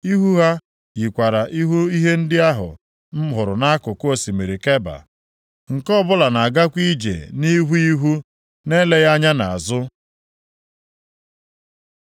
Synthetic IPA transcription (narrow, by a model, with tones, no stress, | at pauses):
i˦ɦu˦ɦa˦ | ji˨kʷa˨ɾa˨ʔi˦ɦu˦i˦ɦe˦n̩˦dɪ˦a˦ɦʊ̰˨ | m̩˦ɦʊ˨ɾʊ˨na˦kʊ˨ko˦si˨me˨ɾi˨ke˦ba̰˨ | ŋ̩˨kɔ˦bʊ˦la˨na˨a˨ɡa˦kʷi˦d͡ʒḛ˨ni˦ɦu˦i˦ɦu˦ | ne˦le˦ɣa˦ɲa˦na˨a̰˨zʊ˦